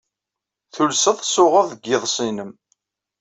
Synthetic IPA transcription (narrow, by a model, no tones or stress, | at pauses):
θulsəðˤsʊʁəðˤəɡːɪðˤsˤinəm